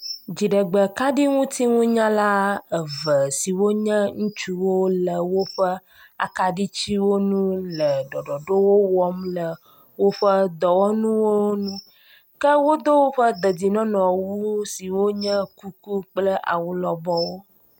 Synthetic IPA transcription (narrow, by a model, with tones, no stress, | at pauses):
d͡ʑi˨ɖə˨ɡ͡bə˨ka˦ɖi˦ŋũ˦t̪i˦ŋũ˦ɲã˦la˦ə˨və˨si˨wo˦ɲə̃˦ŋũ˦t͡ʃu˦wo˦lə˨wo˦ɸə˦ | a̰˨ka˦ɖi˦t͡ɕi˦wo˦nũ˦lə˨ɖɔ˨ɖɔ˨ɖo˦wo˦wɔ˦mlə˨ | wo˦ɸə˦d̪ɔ˨wɔ˦nũ˦wo˦nũ˦ | kə˦wo˦d̪o˦wo˦ɸə˦d̪ə˨di˨nɔ̃˦nɔ̃˨wu˦si˨wo˦ɲə̃˦ku˦ku˦k͡plə˦ʔa̰˨wu˦lɔ˨bɔ˦wo˦